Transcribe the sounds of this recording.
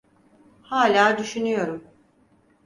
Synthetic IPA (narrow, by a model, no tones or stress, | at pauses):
haːlʲaːd̪yʃynyjo̞ɾum